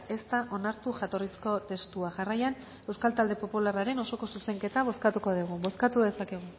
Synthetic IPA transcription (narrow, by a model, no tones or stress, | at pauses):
e̞st̪aʔo̞naɾt̪uʝat̪o̞risko̞t̪e̞st̪uaʝarajan | e̞wskalt̪ald̪epo̞pularaɾe̞no̞so̞ko̞suse̞ŋke̞t̪aβ̞o̞skat̪ukoðuɣ̞ubo̞skat̪uðe̞sake̞ɣ̞u